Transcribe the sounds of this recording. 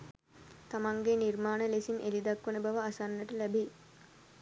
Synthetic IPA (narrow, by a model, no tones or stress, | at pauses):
t̪amaŋɡenirmaːnəlesinʔelid̪ɐkʋənəbaʋəasanːəʈəlæbe